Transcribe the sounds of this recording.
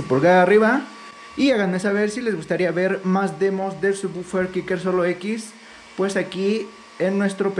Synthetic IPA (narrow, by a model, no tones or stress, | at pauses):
upolɣaðaːriβa | iaɣanmesaβe̞ɾsile̞zɣust̪aɾiaβe̞ɾmazðe̞mo̞zd̪elsuβufeɾkikeɾs̬o̞loe̞kis | pwe̞saki | enːwe̞st̪ɾo̞p